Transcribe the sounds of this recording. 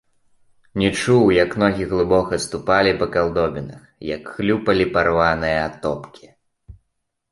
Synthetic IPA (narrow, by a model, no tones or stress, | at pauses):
nʲɛt͡ʂuwjɐknɔɣʲiɣlˠɨbɔkɐst̪upalʲipɐkalˠd̪ɔbʲinɐxjɐkxlʲupɐlʲiparvanɨjɐat̪ɔpkʲi̥